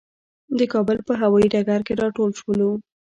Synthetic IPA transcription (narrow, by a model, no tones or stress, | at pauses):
d̪əkɑbəlpəɦawɑiɖaɡaɾkeɾɑʈolʃwolawu